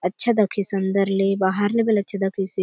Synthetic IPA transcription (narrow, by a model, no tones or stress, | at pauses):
ɐtːʃʰɐd̪ɐkʰisɐnd̪ɐɾlebaɦɐɾlebelɐtːt͡ʃʰɐd̪ɐkʰisi